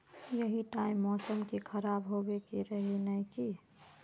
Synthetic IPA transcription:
jəɦiʈaɪmːɔːsəmkikʰəɾabɦobekeɾəɦenəiki

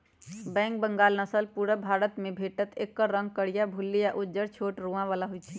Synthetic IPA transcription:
bɛ̃ŋk̚bəŋɡalnəsəlpuɾəbʱaɾət̪mebʱeʈət̪ekːəːə̃ŋɡ̚kəɽijabʱulːijaʔud͡ʒəɾt͡ʃʰoʈɾuãʋalaɦujt͡ʃʰi

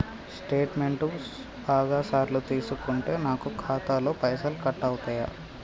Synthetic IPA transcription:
sʈe̞ːʈmeɳʈu | baːɡaːsaːɾlut̪iːsukuɳʈe̞ːnaːkukʰaːt̪aːloːpɐjsɐlkɐʈːɐwut̪aːja̰

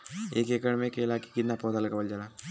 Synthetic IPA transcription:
ḛːkekəɽmẽkelaki̥kid̪napɔːt̪alkabəld͡ʒala

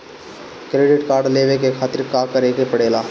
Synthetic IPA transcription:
kɾeɖɪʈkaːɾɖleʋekekʰaːt̪iɾkakəɾekepəɽela

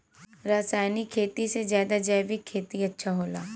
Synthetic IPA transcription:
ɾaːsaːjnikkʰːeːt̪isezjaːd̪ad͡ʒɐjʋɪkʰːeːt̪iɐtːʃʰaɦoːlaː

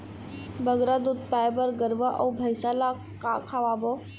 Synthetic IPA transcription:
bəɡɾad̪ud̪̚paːjbəɾɡəɾʋaʔɔbʱəjsaːla | kaːkʰaʋaːbo

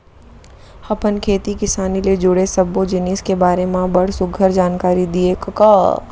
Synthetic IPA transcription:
hɐpənkʰeːt̪ikɪsaːniled͡ʒʊɽesɐbːod͡ʒɪneːskebaːɾemẽbɐɽ̤sʊɡʱəɾd͡ʒaːnkaːɾid̪iekɐkaː

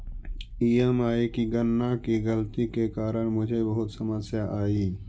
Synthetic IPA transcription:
iːemaːikiɡənːakiɡəlt̪ikekaːɾəɽ̃mʊd͡ʒʱebɐɦʊt̪səməsjaʔaːiː

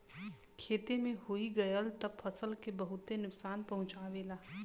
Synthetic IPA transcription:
kʰeːt̪emẽɦoiɡɐjəlt̪əbfʰɐsəlkebəɦʊt̪enʊksaːnpɐɦʊ̃t͡ʃaːʋeːlaː

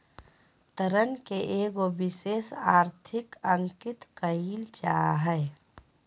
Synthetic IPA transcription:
t̪əɾənkeʔeːɡobɪseːsaːɾt̪ʰɪkə̃ŋkɪt̪kəiːlt͡ʃaːɦɛɛ

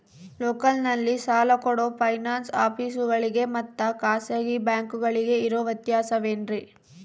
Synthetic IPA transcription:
loːkɐlnɐlːisaːlɐkɔɽopʰɐjnaːnsaːpiːsuɡɐɭiɡe̞mɐt̪ːɐkaːseɡibjaːŋkuɡɐɭiɡe̞iɾoːʋɐt̪jaːsɐʋeːnɾi

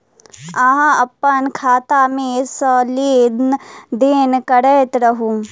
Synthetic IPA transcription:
aɦãɐpːənkʰaːt̪amẽsɔːleːd̪nd̪eːnkɐɽɛːt̪ɾɐɦũː

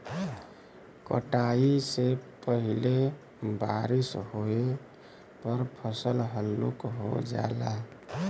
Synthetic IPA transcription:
kəʈaisepəɦile | baɾisɦoe | pəɾpʰəsəlɦəlːṵkɦo̰d͡ʒa̰la

